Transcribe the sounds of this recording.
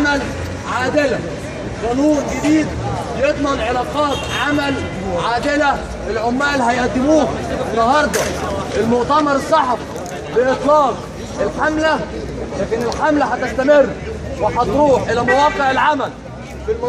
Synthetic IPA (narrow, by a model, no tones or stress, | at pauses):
mæl | ʕaːd̪ɪlæ | qɑːnuːnɡɪd̪iːd̪̚ | jet̪ˤmɑnʕelɑːqɑːt̪ʕamæl | ʕaːd̪ɪlæ | ʔɪlʕʊmːaːlɦæjaʔt̪ɪmuːɪnːɑɦɑɾˤd̪ˤɑʔɪlmʊʔt̪æmɑɾˤɑsˤːɑħf | bɪʔɨt̪ˤlɑːq | ʔɪlħamlæ | læːkɪnɪlħamlæhæt̪ɪst̪æmɪrːwɪħɑt̪ɾuːħʔɪlæmawɑːqeʕɪlʕamæl | fɪlm